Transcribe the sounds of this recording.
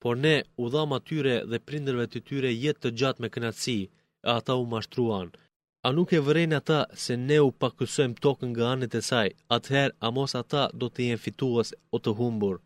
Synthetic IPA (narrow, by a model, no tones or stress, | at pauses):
pɔɾnɛuðamat̪yɾɛðɛpɾind̪əɾvɛt̪ət̪yɾɛjɛt̪ːəd͡ʑat̪mɛkənat̪si | ɛat̪aumaʃt̪ɾuan | anukɛvəɾɛnat̪asɛnɛupakəsɔjmt̪ɔkəŋɡaanət̪ɛsajat̪hɛɾamɔsat̪ad̪ɔt̪əjɛnfit̪uɛsɔt̪əɦumbuɾ